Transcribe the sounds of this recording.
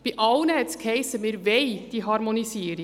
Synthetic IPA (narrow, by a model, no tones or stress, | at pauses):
b̥iʔɑʊnɛtskʰɛɪsəmeːɾveɪd̥iːɦɑɾmonisiːɾɪ